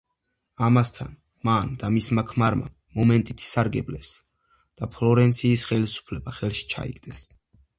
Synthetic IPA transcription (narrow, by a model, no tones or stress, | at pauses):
amast̪ʰa̰n | mand̪amismakʰmaɾma̰ | mɔmɛnt̪ʼit̪ʰsaɾɡɛblɛs | d̪̥apʰlɔɾɛnt̪sʰiːsχɛlisu̥pʰlɛbaχɛlˠʃi̥t͡ʃʰa̰ḭɡd̪ɛs